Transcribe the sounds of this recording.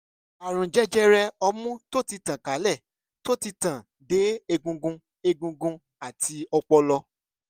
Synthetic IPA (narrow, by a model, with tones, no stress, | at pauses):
a˨ɾ̃ũ˨d͡ʒɛ˦d͡ʒɛ˦ɾɛ˧ɔ˧mũ˦to˦ti˧tã˨ka˨˦lɛ˦˨ | to˦˨ti˧tã˨ | de˨˦e˧ɡũ˧ɡũ˧ | e˧ɡũ˧ɡũ˧ | a˨tʰi˧ɔ˧k͡pɔ˧lɔ˧